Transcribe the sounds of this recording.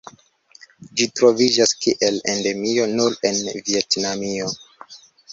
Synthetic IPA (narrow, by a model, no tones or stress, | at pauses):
d͡ʒitɾo̞vid͡ʒaskiʔe̞lḛnde̞mio̞nuɾe̞nvie̞tnamio̞